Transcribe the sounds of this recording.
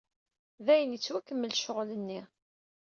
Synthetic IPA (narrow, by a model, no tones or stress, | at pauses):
ðæjənjət͡sːwækːəmːəlʃoʁlənːi